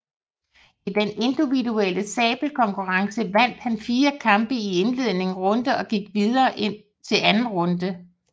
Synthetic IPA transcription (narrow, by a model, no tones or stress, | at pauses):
id̥ene̝nd̥iʋidueləsɛ̰ːb̥l̩kʰɒ̽ŋkʰuʁɑ̈ŋsəʋæn̰d̥hænfiːɐkʰɑ̈mb̥əie̝nle̝ð̰ˠne̝ŋŋ̩ʁɔ̽nd̥əɒ̽ɡ̥iɡ̥ʋiðˠɐːʔe̝n̰ | t͡sʰe̝lænn̩ʁɔ̽nd̥ə